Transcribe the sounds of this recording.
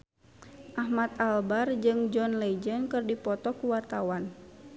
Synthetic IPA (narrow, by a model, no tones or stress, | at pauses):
ʔahmat̪̚albard͡ʒɨŋd͡ʒɔnlɛd͡ʒənkɨrdipɔt̪ɔkuwart̪awan